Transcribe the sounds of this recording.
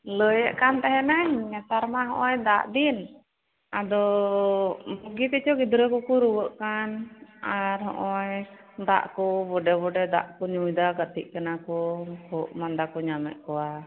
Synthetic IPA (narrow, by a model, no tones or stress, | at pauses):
ləjəʔkant̪ɛɦɛnaɲɛt̪aɾmaɦɔ̃ʔɔjd̪aʔd̪in | ad̪ɔ | bɔɡit̪ɛt͡ʃɔɡid̪ɾəkukuɾuwəʔkanaɾɦɔ̰ʔɔj | d̪a̰ʔkɔbɔɖɛbɔɖɛd̪a̰ʔkɔɲujd̪aɡət̪iʔ̚ˀkɛnakɔkɔʔmand̪akɔɲamɛ̰ʔkɔwa